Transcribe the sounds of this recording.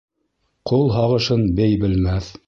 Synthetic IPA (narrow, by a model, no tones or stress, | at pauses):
qulˠɦɑʁɤ̆ʃɤnbɘjbɘ̆lmæθ